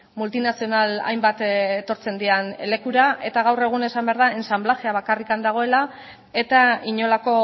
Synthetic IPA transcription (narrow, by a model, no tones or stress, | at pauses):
mult̪inasio̞nala̰jmbat̪et̪o̞ɾt͡se̞nd̪iane̞le̞kuɾaʔe̞t̪aɣ̞awre̞ɣ̞une̞sambeaɾðae̞nsamblaʝe̞aβakarikand̪aɣ̞o̞e̞la | e̞t̪aiɲo̞lako̞